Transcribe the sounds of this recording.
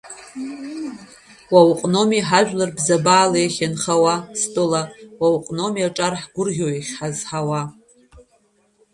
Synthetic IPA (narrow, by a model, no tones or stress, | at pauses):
wawqʼno̞miħaʒᶣlɨrbzabaːlejχʲanχawastʼɨlawawqʼnomiaʈ͡ʂʼarħɡʷʊrʁʲoiχʲħazħawa